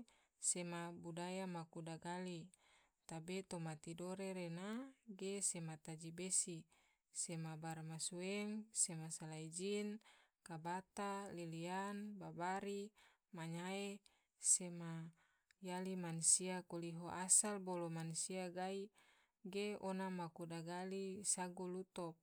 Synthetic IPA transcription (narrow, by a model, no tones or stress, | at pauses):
semabudajamakudaɡali | t̪abet̪omat̪idoɾeɾenaɡesemat̪ad͡ʒibesi | semabarmasuɛŋsemasalaid͡ʒinkabat̪alilianbabaɾi | maɲae | sema | jalimanusiakoliɦoʔasalbolomansiaɡai | ɡeonamakudaɡalisaɡulut̪ɔp̚